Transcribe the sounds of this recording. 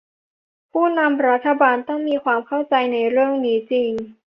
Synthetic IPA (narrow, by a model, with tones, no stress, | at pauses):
pʰuː˥˩na˧mɾa˦˥t̪ʰːa˧baː˧nt̪ɔ˥˩ŋmiː˧kʰwaː˧mkʰa˥˩wt͡ɕa˧jna˧jɾɯ˥˩əŋniː˦˥t͡ɕiː˧n